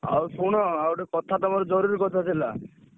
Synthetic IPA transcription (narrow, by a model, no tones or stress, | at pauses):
a̰wsuɽ̃ɔawʈekɔt̪ʰat̪ɔmaɾɔd͡ʒɔɾuɾiɾkɔt̪ʰat͡ʃʰela̰